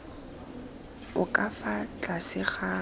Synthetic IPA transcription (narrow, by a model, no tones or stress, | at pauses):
ʊkʼafat͡ɬʼasɪχa